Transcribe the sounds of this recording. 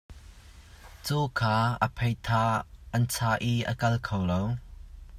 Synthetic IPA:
t͡sukʰaːə̰pʰejt̪ʰaʔɐnt͡sʰaːʔiʔə̰kɐlkʰowlow

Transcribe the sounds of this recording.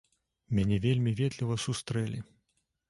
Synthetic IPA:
mʲanʲɛvʲelʲmʲivʲɛd̪lʲivɐsust̪ɾɛlʲḭ

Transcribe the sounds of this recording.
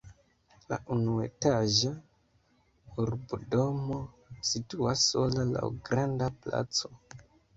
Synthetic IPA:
la̰ʔunue̞taʒa | uɾbudo̞mo | situasːo̞lala̰wɡɾandapla̰t͡so̞

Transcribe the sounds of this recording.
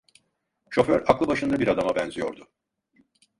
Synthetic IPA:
ʃo̞fø̰ɾaklˠɯbaʃɯnd̪abiɾad̪amabɛnzijo̞̰ɾd̪ʊ

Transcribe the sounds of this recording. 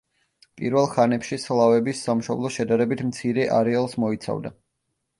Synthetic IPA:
pʼḭɾvɛlˠχanɛpʃislˠavɛbisːamʃɔblˠɔʃɛd̪aɾɛbit̪ʰmt̪sʰiɾɛʔa̰ɾɛalˠsmɔit̪sʰa̰vd̪a

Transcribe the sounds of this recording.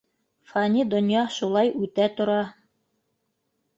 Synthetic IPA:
fɑnʲid̪ŏnjɑʃulˠɑjʔʉt̪æt̪ŏɾɑ

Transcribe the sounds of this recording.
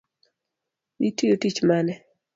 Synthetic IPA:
itijotit͡ʃmanɛ

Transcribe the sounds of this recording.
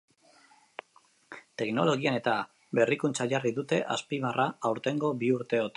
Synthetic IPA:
t̪e̞kno̞lo̞ɣiane̞t̪a | be̞rikunt͡saʝariðut̪e̞ʔaspiβarʔaːwɾt̪e̞ŋɡo̞βiuɾt̪e̞ot̪

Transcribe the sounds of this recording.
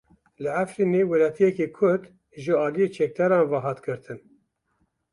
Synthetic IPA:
lɨʕafɾiːnewɛlɑːt̪ʰijɛkekʰʊɾd̪ | ʒəɑːlijet͡ʃʰɛk̚d̪ɛɾɑːnvɑɦɑːt̪ɡɨɾt̪ʰɨn

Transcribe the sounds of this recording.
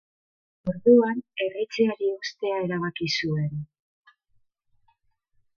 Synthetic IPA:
o̞ɾðuane̞rit͡seaɾiust̪e̞ae̞ɾaβ̞akisue̞n

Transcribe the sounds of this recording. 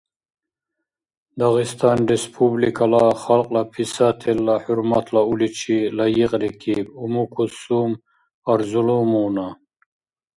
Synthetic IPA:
d̪ɑɣist̪ʰɑnɾespʰublikʰalaχalqʼlapʰisat̪ʰelːaħuɾmat̪ʰlaulit͡ʃʰilajiqʼɾikʰibumukʰusum | aɾzulumuna

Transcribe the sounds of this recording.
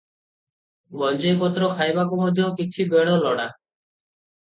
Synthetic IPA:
mɔnd͡ʒɔjpɔt̪ɾɔkʰajbakɔmɔd̪ʱjɔkit͡ʃʰibeɽɔlɔɽa

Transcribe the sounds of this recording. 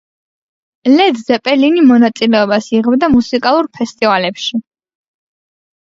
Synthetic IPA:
lɛd̪zɛpʼɛlinimɔnat̪sʼilɛɔbasiʁɛbd̪amusikʼalˠuɾpʰɛst̪ʼivalɛpʃi

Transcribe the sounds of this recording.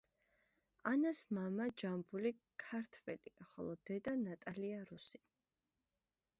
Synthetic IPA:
anasmamad͡ʒambulikʰaɾt̪ʰvɛliaχɔ̰lˠɔd̪ɛd̪anat̪ʼaliaɾusi̥

